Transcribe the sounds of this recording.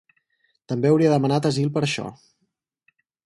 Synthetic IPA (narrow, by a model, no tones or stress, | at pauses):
t̪əmbeəwɾiəðəmənat̪əzilˠpəɾəʃɔ̰